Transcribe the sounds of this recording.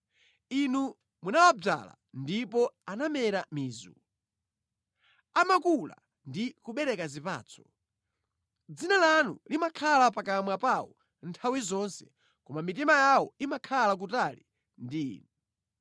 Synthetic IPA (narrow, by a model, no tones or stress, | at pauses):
inu | munawab͡ʐa̰la̰ | ndipɔanamɛɾamiːzṵ | amakula̰ | ndikuɓɛɾɛkazipa̰ːt͡sʰɔ̥ | d͡zinalanṵlimakʰalapakamwapawɔ̰ | ntʰawizɔnsɛ̥̰ | kɔmamit̬imajawɔimakʰalak̬utali | ndiːnɛ